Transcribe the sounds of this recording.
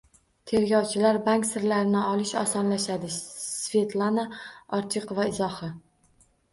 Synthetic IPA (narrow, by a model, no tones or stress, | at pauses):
t̪ʰe̞ɾɡʲɒwt͡ʃʰɪlaɾbaŋkʲsɪɾlaɾɪnɪɒlɪʃɒsɒnlaʃad̪ɪssve̞t̪ʰlˠanaɒɾt͡ʃʰɪqvaɪzɒhɪ